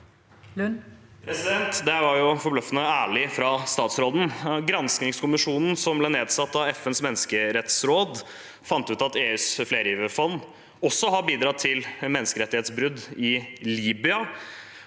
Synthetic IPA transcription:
pʰɾɛsɪd̪ɛnt̪d̪ɛʋɑɾjʊfɔblœfənəæːɭɪfɾɑst̪ɑːt̪sɾoːd̪n̩ɡɾɑnsknɪŋskʊmɪʂuːnn̩sɔmblɛneːd̪sɑt̪ːɑɛfɛnsmɛnːəskəɾɛt̪sɾoːd̪ | fɑnt̪əʉːt̪ɑt̪eːʉːsfleːɾəjiːʋəfɔnː | ɔsːɔɦɑbiːd̪ɾɑːt̪ʰːɪlmɛnːəskəɾɛt̪ːɪheːt̪sbɾʉd̪ɪliːbʏɑ

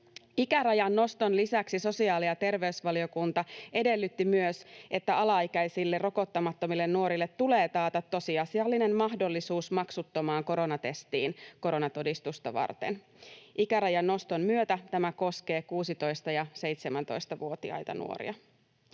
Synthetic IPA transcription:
ikæɾɑjɑnːo̞st̪o̞nlisæksiso̞siɑːliɑt̪e̞rʋe̞ysʋɑliokunt̪ɑʔe̞de̞lːyt̪ːimyøsʔe̞t̪ːæɑlɑikæjsilːero̞kot̪ːɑmɑt̪ːomilːe̞nːuo̞ɾilːet̪ːule̞ːt̪ɑːt̪ɑt̪ːo̞siɑsiɑlːine̞mmɑɦdo̞lːisuːsmɑksut̪ːomɑːŋko̞ɾo̞nɑt̪e̞st̪iːnko̞ɾo̞nɑt̪o̞dist̪ust̪ɑʋɑ̰rt̪e̞̰n | ʔikæɾɑjɑnːo̞st̪o̞mmyøt̪æt̪æmæko̞ske̞ːkuːsit̪o̞jst̪ɑjɑse̞jt̪semænt̪o̞̰jst̪ɑʋuot̪iɑ̰jt̪ɑ̰nṵo̰ɾḭɑ

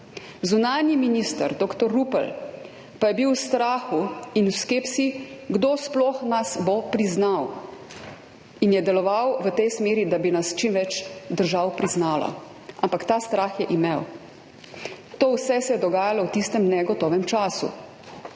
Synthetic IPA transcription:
zunaːnjiminist̪ə̰ɾd̪oːkt̪ɔɾːupə̰l | pajɛbiwst̪ɾaːxuinuwskeːpsiɡd̪oːsplɔːxnasbopɾiznaw | injɛd̪ɛlɔʋawʋət̪ɛjsmeːɾid̪abinast͡ʃimʋɛt͡ʃd̪əɾʒawpɾiznaːlɔ̰ | ampakt̪aːst̪ɾaːxjɛʔimew | t̪oːwsɛsɛjɛd̪ɔɡaːjalɔwt̪ist̪ɛmnɛɡɔt̪ɔːʋɛmt͡ʃaːsṵ

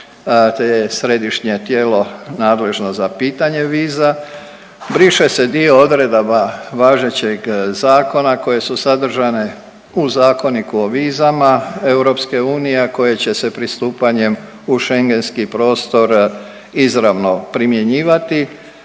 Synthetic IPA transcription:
t̪ejesɾe̞d̪iʃɲe̞t̪jeːlo̞naːd̪le̞ʒno̞zapiːt̪aɲe̞ʋiːza | bɾiʃe̞se̞d̪io̞od̪ɾe̞d̪abaʋaːʒe̞t͡ɕe̞ɡzaːko̞nako̞je̞susad̪r̩ʒane̞ | uzaːko̞nikuoʋiːzamae̞wuɾo̞pske̞uːnijeko̞je̞t͡ɕe̞se̞pɾist̪uːpaɲe̞m | uʃe̞ŋɡe̞nskipɾo̞ːst̪o̞ɾ | izɾaʋno̞pɾimje̞ɲiːʋat̪i

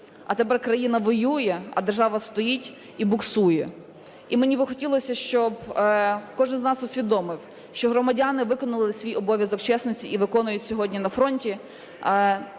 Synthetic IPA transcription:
ɐ̰t̪epɛrkɾɐjinɐʋɔjujɛɐ̰d̪erʒɑʋɐst̪ɔjitʲ | ibʊksujɛ | imenʲibɪxɔtʲilˠɔsʲɐʃt͡ʃɔb | kɔʒɪnznɑsʊsʲʋʲid̪ɔmɪw | ʃt͡ʃɔɦɾɔmɐdʲanɪʋɪkɔnɐlˠɪsʲʋʲijɔbɔʋʲjɐzɔkt͡ʃɛsnɔsʲtʲiʔiʋɪkɔnʊjʊtʲsʲɔɦɔdʲnʲinɐfɾɔnʲtʲi

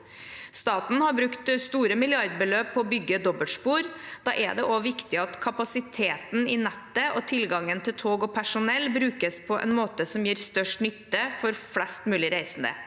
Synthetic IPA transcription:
st̪ɑːt̪n̩hɑɾbɾʉkt̪st̪uːɾəmɪlɪɑɾd̪̚bəløːp̚pʰːɔːbʏɡːəd̪ɔbəlt̪spuːɾd̪̥ɑ̰ːʔæ̰ɖ̪ɛ̰ʔoʋɪkt̪ɪɑt̪kʰɑpɑsɪt̪ʰeːt̪n̩ɪnɛt̪ːəʔɔt̪ʰɪlɡɑŋːənt̪ʰɪlt̪ʰoːɡɔpʰæʂʊnɛlːbɾʉːkəspʰɔʔɛ̰nmoːt̪əsɔmjiːɾst̪œʂʈnʏt̪ːəfɔɾflɛst̪mʉːlɪɾæɪsn̩d̪ə̰

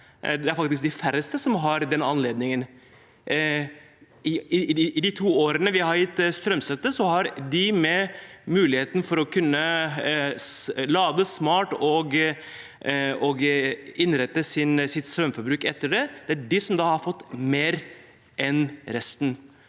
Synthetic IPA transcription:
d̪ɛæɾfɑk̚t̪ɪskd̪ɪfæɾəst̪əsɔmɦɑɾd̪ɛnɑnleːd̪nɪŋən | ɪɪd̪ɪt̪ʰuːoːɾənəʋɪhɑɾjɪt̪ːst̪ɾœmsɛt̪ːəsɔhɑɾd̪ɪmɛmʉːlɪheːt̪n̩fɔɾɔkʰʉnːə | lɑːd̪əsmɑːʈɔɡ | ɔɡɪnɾɛt̪ːəsɪnsɪt̪st̪ɾœmfɔɾbɾʉːkɛt̪ːəɖɛd̪̥ɛæɖɪsɔmd̪ɑːhɑɾfɔt̪ːmeːɾ | ʔɛnɾɛst̪n̩

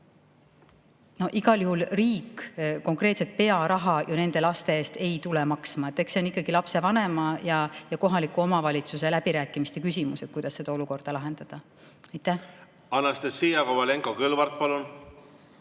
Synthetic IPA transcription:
no̞ʔiɡɑljuhulriːkko̞ŋkre̞ːt̪se̞t̪̚pe̞ɑɾɑɦɑjʔɑne̞nd̪̥e̞lɑst̪e̞eːst̪e̞jt̪ulemɑksmɑet̪ːˑeksenikːˑɑɡ̥ilɑpse̞vɑne̞mɑjɑjɑko̞ɦɑlikːˑuo̞mɑvɑlʲit̪suse̞læb̥iɾæːkːˑimist̪e̞kysʲimuset̪̚kujd̪̥ɑsːe̞d̪ɑo̞luko̞rd̪̥ɑlɑɦe̞nd̪̥ɑd̪̥ɑ | ɑjt̪ːˑæh | ɑnːɑst̪esiːjɑkovɑleŋkokɯlvɑrt̪̚pɑlun

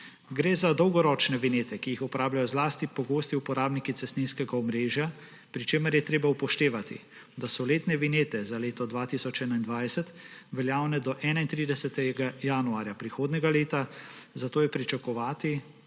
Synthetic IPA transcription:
ɡɾeːzad̪ɔwɡɔɾɔːt͡ʃnɛʋineːt̪ɛkijixɔpɔɾaːblajɔzlaːst̪ipɔɡoːst̪iupɔɾaːbnikit̪sɛst̪ninskɛɡaɔmɾeːʒja | pɾit͡ʃeːməɾjɛt̪ɾeːbaupɔʃt̪eːʋat̪ḭ | d̪asɔleːt̪nɛʋineːt̪ɛzaleːt̪ɔd̪ʋaːt̪isɔt͡ʃɛːnaind̪ʋajsɛt̪ʋɛljaːwnɛd̪ɔʔɛːnaint̪ɾiːd̪ɛsɛt̪ɛɡajanuaːɾjapɾixoːd̪nɛɡaleːt̪a | zat̪oːjɛpɾit͡ʃakɔʋaːt̪i

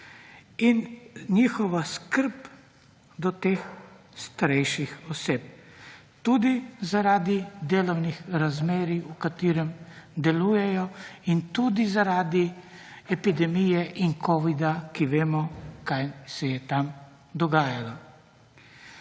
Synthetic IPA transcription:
inɲiːxɔʋaskəɾp | d̪ɔt̪ex | st̪aɾɛjʃixɔseːp | t̪uːd̪izaɾaːd̪id̪eːlɔwnixɾazmeːɾiukat̪iːɾɛmd̪ɛluːjɛjɔint̪uːd̪izaɾaːd̪i | ɛpid̪ɛmijɛʔinkʰɔːʋid̪akiʋeːmɔkajsɛjɛt̪am | d̪ɔɡaːjala

